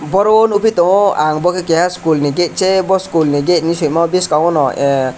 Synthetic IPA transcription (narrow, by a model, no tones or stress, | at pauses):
bɔɾɔnupit̪ɔaŋbɔkekɛɦaskulniɡet̪̚t͡ʃebɔskulniɡet̪̚nisutmɔbiskawɔnɔe